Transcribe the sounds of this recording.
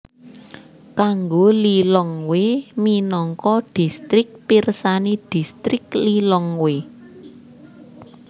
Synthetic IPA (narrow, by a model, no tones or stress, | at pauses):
kaŋɡolilɔŋweminɔŋkɔɖ̥i̤st̪ɾɪk̚pirsanid̥i̤st̪ɾɪk̚lilɔŋwe